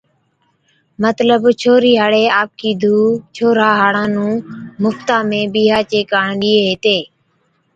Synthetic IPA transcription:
mət̪ləbt͡ʃʰoːɾiːɦaːɽeːaːp̚kiːd̪ʱuːt͡ʃʰoːɾaːɦaːɽãːnũːmʊft̪aːmẽːɓiːɦaːt͡ʃeːkaːɳɗiːeːɦeːt̪eː

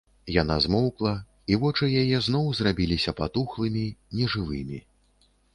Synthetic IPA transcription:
jan̪a̰zmɔwklˠɐ | ivɔt͡ʂɨjajɛznɔwzrabʲilʲisʲɐpat̪uxlˠɨmʲinʲɛʐɨvɨmʲi

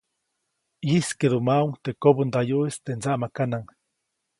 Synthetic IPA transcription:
iskeðumauŋt̪ekobund̪ajuʔist̪end͡zaʔmakanaŋ

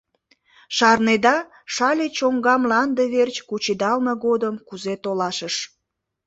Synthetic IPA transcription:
ʃɑrned̪ɑ | ʃɑlʲet͡ɕoŋɡɑmlɑnd̪eβert͡ɕkut͡ɕid̪ɑlməɣod̪əmkuzet̪olɑʃəʃ

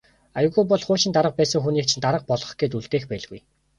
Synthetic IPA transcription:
ajʊ̆ɣujpɔɮχʊːʃɪ̆nt̪aɾə̆q̚pæːsə̆ŋxuniːk̚t͡ɕʰĭnt̪aɾə̆q̚pɔɮɞ̆χɡ̥et̪uɮt̪eːxpæːɮɣṵj

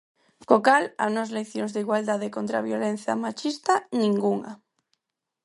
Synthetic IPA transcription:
kokala̰nɔzleθjoŋzðiɣwald̪að̞ekont̪ɾaβjolen̟θja̰mat͡ʃist̪anĩŋɡuŋa̰

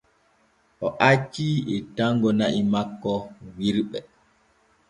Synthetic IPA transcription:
ʔɔʔat͡ʃːiɛtaŋɡɔnaʔimakːɔwiɾɓɛ

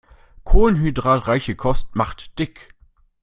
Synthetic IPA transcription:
kʰoːlnɦydʁaːtʁaɪçəkʰɔstmaχtd̥ɪk

